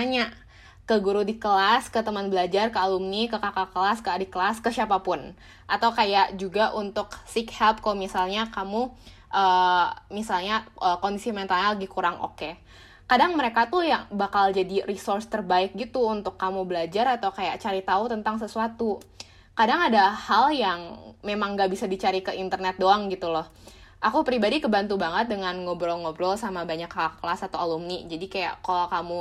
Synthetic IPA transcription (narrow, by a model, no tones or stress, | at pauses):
aɲa | kəɡuɾudikəlaskət̪əmanbəlad͡ʒarkəalumnikəkakakəlaskadikəlaskəsiapapʊn | ʔat̪awkajaʔd͡ʒuɡaʔunt̪ʊksikhɛlp̚kalomisalɲakamu | ʔəːmisalɲaəkɔndisiment̪alɲaləɡihkuɾaŋʔo̰ke | kadaŋməɾekat̪ujaŋbakald͡ʒadirisɔrst̪ərbaɪk̚ɡit̪uːnt̪ʊkːamubəlad͡ʒaɾat̪awkajaʔt͡ʃaɾit̪aut̪ənt̪aŋs̬əsuat̪u | kadaŋadahaljaŋmemaŋɡaʔbisadit͡ʃaɾikəʔint̪ərnɛt̪̚doaŋɡit̪ulɔh | ʔakupɾibadikəbant̪ubaŋət̪̚dəŋanɡobɾɔlŋobɾɔlsamabaɲakːalasat̪awalumnid͡ʒadikaja̰ʔkalokamu